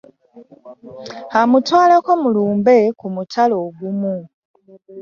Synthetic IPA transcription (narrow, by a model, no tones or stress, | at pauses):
amutwaːlakomuluːmbe̞kumutʰaloːɡumu